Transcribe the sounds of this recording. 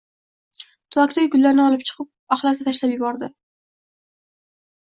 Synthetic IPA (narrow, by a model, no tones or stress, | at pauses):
t̪ʰʊvakʲt̪aɡʲɪɡʊlːaɾnɪɒlˠɪp̚t͡ʃʰɨ̥qʰɨp̚aχlˠat̪k̪ʲat̪ʰaʃlapjɪbɒɾd̪ɪ